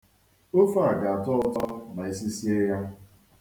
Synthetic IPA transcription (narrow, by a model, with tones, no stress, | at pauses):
o˦fa˦a˨ɡa˨a˨tɔ˦ʊ˦ta˦na˨e˦si˦si˦e˦ja˦